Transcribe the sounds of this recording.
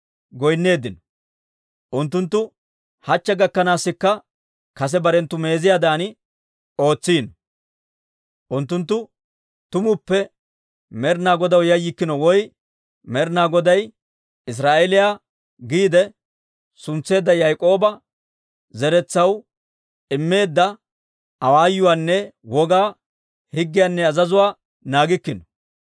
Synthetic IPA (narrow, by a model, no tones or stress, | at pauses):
ɡɔjnːe̞ːd̪ɪnɔ̥ | ʔʊnt̪̬ːʊnt̪ːʊ | hɐt͡ʃːɛɡɐkːɐnaːsːɪkːɐ | kɐs̬ɛbɐɾɛnt̪ːʊme̞ːzɪjaːd̪aːnɪ | o̞ːt͡sːiːnɔ | ʔʊnt̪ːʊnt̪ːʊ | t̪ʊmʊpːɛ | mɛɾnaːɡɔd̪ɐwjɐjːɪkːɪnɔwɔj | mɛɾnaːɡɔd̪ɐj | ɪs̬ɾaːʔɛlɪjaː | ɡiːd̪ɛ | sʊnt͡sːe̞ːd̪ːɐjɐjkʼo̞ːbɐ | zɛɾɛt͡sːɐw | ɪmːe̞ːd̪ːɐ | ɐwaːjʊwaːnːɛwɔɡaː | hɪɡːɪjanːɛɐzɐzʊwaː | naːɡɪkːɪnɔ̥